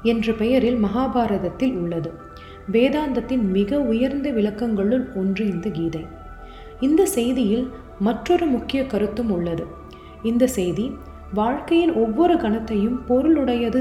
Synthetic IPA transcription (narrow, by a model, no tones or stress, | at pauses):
ɛndrɐpɛjɐɾɪlmɐɦaːbaːɾɐðɐt̪ːɪlʊɭːɐðɯ | ʋeːðaːnd̪ɐt̪ːɪnmɪɣɐʊjɐɾnd̪ɐʋɪɭɐkːɐŋɡɐɭɯlɔndrɯɪnd̪ɐɡiːðɐɪ | ɪnd̪ɐsɛjðɪjɪl | mɐʈrɔɾɯmʊkːɪjɐkɐɾɯt̪ːɯmʊɭːɐðɯ | ɪnd̪ɐsɛjði | ʋaːɻkɐjɪnɔʋːɔɾɯɡɐɳɐt̪ːɐjɯmpɔɾɯɭʊɽɐjɐðɯ